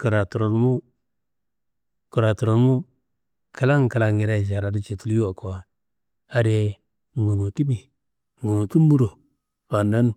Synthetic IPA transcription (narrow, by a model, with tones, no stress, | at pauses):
ku˨ɾa˨tu˨ɾo˨n˦mu˦ | ku˨ɾa˨tu˨ɾo˨n˦mu˦ | kʰa˦la˦ŋ˨ka˨la˨ŋi˨ɾa˦˨d͡ʒa˨ɾa˨di˦t͡ʃe˨tu˦lju˦wa˨ko˨a˨ | a˨de˨ | ŋu˨nu˨ti˦bi˨ | ŋu˨nu˨tu˦m˦bu˦ɾo˨ | pa˨na˦n˦